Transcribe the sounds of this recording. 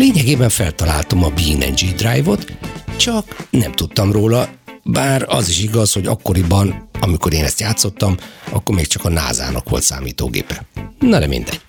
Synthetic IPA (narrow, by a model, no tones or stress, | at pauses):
leːɲɛɡeːbɛɱfɛlt̪ɒlaːlt̪omɒbiːnɛ̰nd͡ʒid̪raːjvo̞t̪t͡ʃɒknɛmt̪ut̪ːɒmroːlɒbaːrɒ̰ziʃiɡɒsho̞ɟɒ̰kːo̞ɾibɒnɒmiko̞ɾeːnɛst̪jaːt̪so̞t̪ːɒmɒkːo̞rmeːkt͡ʃɒkɒna̰ːza̰ːnɒ̰kʋo̞̰lt̪sa̰ːmḭːt̪o̰ːɡḛːpɛnɒd̪ɛmḭnd̪ɛɟ̥